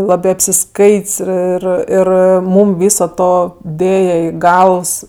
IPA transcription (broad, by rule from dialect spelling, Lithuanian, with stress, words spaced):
ˈlˠɑːbɜ ɐpʲsʲɪˈskɐɪtʲsʲ ˈɪr ˈɪr ˈmuːm ˈʋʲiːsoː ˈtoː ˈdʲeːjɛ ˈiː ˈɡɐlˠʋs